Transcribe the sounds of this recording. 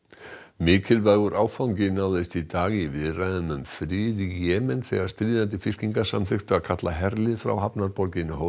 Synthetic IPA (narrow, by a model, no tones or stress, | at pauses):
mɪːcɪlvaːɣʏɾʔaːwfawɲcɪnaːwðɪst̪it̪aːɣivɪðrajðʏmʏmfɾɪːðijɛːmɛnθɛ̰ɣaɾst̪ɾiːðant̪̬ɪfɪr̥ciŋkḁsa̰mθʏxt̪ʏaðkʰat̪laɦɛɾlɪfɾa̰wɦapnaɾpɔɾcɪnːʏɦo